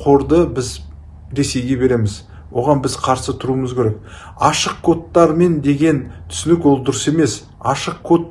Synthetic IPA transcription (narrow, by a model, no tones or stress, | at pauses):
qʰo̞ɾd̪əbɪz | ɾe̞se̞jɡʲe̞be̞ɾe̞mɪz | wo̞ʁɑnbɪzqʰɑɾsət̪ʰʊɾuəməzkʲʰeɾek̚ | ɑʃəqkʰo̞t̪ːɑɾme̞nd̪e̞ɡʲe̞nt̪ʰʏ̥sɪnɪkwo̞lˠd̪ʊɾəse̞me̞s | ɑ̰ʃəqkʰo̞t̪ː